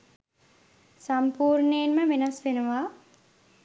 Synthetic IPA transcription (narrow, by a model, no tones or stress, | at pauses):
sampuːɾɳeːnməʋenɐsʋenuʋaː